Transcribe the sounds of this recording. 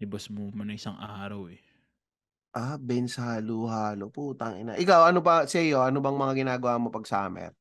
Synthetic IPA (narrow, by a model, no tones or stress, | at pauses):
ɪbɐsmomɐnɐŋʔɪsaŋʔaːɾɐwɛ | ʔabɛnshaːluhaːlopuːt̪ɐŋʔɪ̰na̰ʔɪkawʔɐnobɐsɛjoʔɐnobɐŋmɐŋaɡɪnaːɡɐwamo̞pɐɡ̚sa̰ːmɛ̰t̪̚